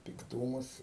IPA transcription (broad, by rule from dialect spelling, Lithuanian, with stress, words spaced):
pʲɪkˈtuːmʊs